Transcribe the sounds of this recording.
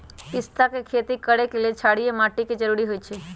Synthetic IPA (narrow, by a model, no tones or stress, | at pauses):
ɪst̪ʰakekʰet̪ikəɽekelet͡ʃʰaɽiemaʈiked͡ʒəɾuɾiɦojt͡ʃʰe